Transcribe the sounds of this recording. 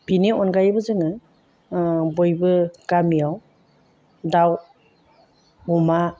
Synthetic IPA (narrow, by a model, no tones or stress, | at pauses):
bineɔnɡajbɯzɯŋɯ | bɔjbɯɡamijaw | daw | ɡuma